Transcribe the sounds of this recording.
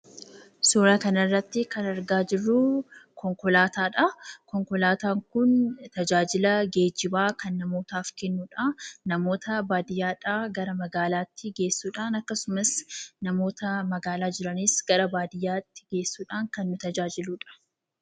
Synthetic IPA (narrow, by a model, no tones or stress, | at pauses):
suːɾaːkɐnɐrːɐt̪ːɪkɐnɐɾɡaːd͡ʒɪrːʊkɔŋkɔlaːt̪aːᶑɐkɔŋkɔlaːt̪aːŋkʊnt̪ɐd͡ʒaːd͡ʒɪlɐɡeːd͡ʒɪbaːkɐnːɐmo̞ːt̪aːfkɛnːuːᶑɐnɐmo̞ːt̪ɐbaːd̪ɪjːaːᶑaːɡɐɾɐmɐɡaːlaːt̪ːɪɡe̞ːsːuːᶑaːnɐkːɐsʊmɐsnɐmo̞ːt̪ɐmɐɡaːlaːd͡ʒɪɾɐnɪsɡɐɾɐbaːd̪ɪjːaːt̪ːɪ̥ɡe̞ːsːuːᶑaːŋkɐnːʊt̪ɐd͡ʒaːd͡ʒɪluːᶑɐ̥